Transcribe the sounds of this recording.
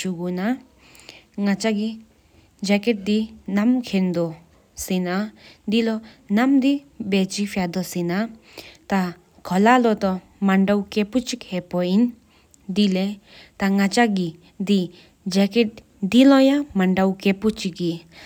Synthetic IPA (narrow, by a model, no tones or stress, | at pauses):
t͡ʃuɡuna | ŋat͡ʃaɡi | d͡ʒɛkɛʈ̚d̪inamkʰend̪ɔ | sinad̪ilɔnamd̪ibet͡ʃifʰjad̪ɔsina | t̪a | kʰɔlalɔt̪ɔ | maɳɖawkeput͡ʃikhepɔin | d̪ilet̪aŋat͡ʃaɡi | d̪i | d͡ʒɛkɛʈ̚ | d̪ilɔjamaɳɖawkeput͡ʃiɡi